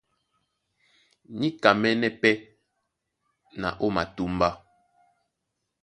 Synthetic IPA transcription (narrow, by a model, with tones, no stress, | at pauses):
ni˦ka˨mɛ˦nɛ˦pɛ˦ | na̰˨ʔo˦ma˨tu˦mba˦